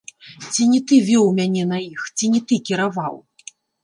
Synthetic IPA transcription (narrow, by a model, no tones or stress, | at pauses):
t͡sʲinʲit̪ɨvʲɔwmʲanʲɛnɐjixt͡sʲinʲit̪ɨkʲiɾavaw